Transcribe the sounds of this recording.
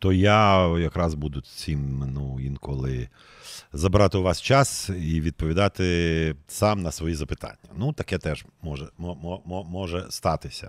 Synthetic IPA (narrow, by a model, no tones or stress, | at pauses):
t̪ɔjajɐkɾɑzbud̪ʊt͡sʲimnuinkɔlˠɪ | zɐbɾɑt̪ɪʋɑst͡ʃɑsiʋʲid̪̚pɔʋʲid̪ɑt̪ɪsɑmnɐsʋɔjizɐpɪt̪ɑ̰nʲːɐnut̪ɐkɛt̪ɛʒmɔʒɛmɔmɔmɔmɔʒɛst̪ɑt̪ɪsʲɐ̰